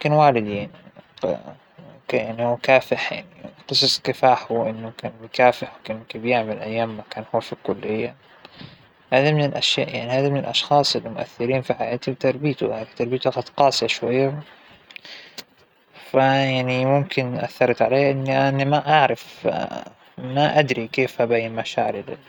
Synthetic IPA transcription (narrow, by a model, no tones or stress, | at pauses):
mʊmkɪnwaːlɪd̪jaʕni | kjaʕnihuːkaːfɪħja̰ʕniqɨsˤɑsˤkɪfaːħuʔɪnːʊkaːnmkaːfɪħwkankeːbjɪʕmalʔajːaːmːakaːnhuːfikʊlːɪjːa̰ | haːðamɪnɪlʔaʃja̰ːʔjaʕnihaːðamɪnɪlʔɑʃxɑːsˤɪlːmʊʔa̰θːɪɾiːnfiħajaːt̪ibt̪ɑɾˤbiːt̪ṵankt̪ɑɾˤbijt̪uqɑd̪qɑːsˤijaʃwajːa | fajaʕnimʊmkɪnʔa̰θːɑɾˤɑt̪ʕaleːʔɪnːʔanːimaʔaʕɾˤɑf | maʔad̪ɾikeːfʔabajːɪmaʃa̰ːɾɪl